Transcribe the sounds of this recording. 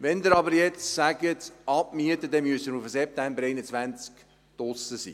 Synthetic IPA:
ʋɛnd̪əɾɑbəɾjɛt͡ssæɡətʔɑpmiətədɛnmyəstəɾufəsɛp̚tæmbəɾeɪnət͡svænt͡sk | d̥ɔsəsḭː

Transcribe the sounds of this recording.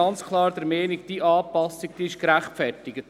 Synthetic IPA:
ɑnt͡skʰlˠɑːɾd̪əɾmɛːniɡd̥iʔɑːpɑsik̚d̥iɪʃkɾæχtfɛrtɪɡət

